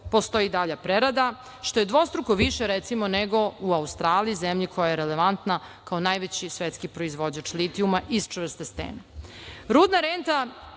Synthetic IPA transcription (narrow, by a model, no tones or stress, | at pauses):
po̞st̪o̞jid̪aʎapɾeɾad̪a | ʃt̪o̞je̞d̪ʋo̞st̪ɾukoʋiʃeɾet̪simo̞neɡo̞uaust̪ɾaːliizemʎikʰo̞jajeɾeleʋant̪na | kaonajʋet͡ɕisʋet̪skipɾo̞izʋo̞d͡ʑat͡ʃlit̪iumaʔist͡ʃvər̩st̪est̪ḛːnaɾuːd̪naɾent̪a